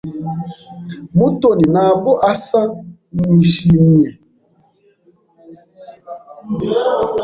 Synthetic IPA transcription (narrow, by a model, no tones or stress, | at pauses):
mutoninaboʔasamwiʃimiɛ